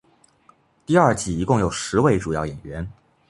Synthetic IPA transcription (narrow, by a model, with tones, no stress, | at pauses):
t̪i˥˧ɐ˞˥˩t͡ɕi˨˩i˧˥kʊ˥˩ŋjo˨˩ʊʂɻ̩˧˥we˥˧ɪʈ͡ʂu˨˩jɑ˥˩ʊjɛ˨˩nɥɛ˧˥n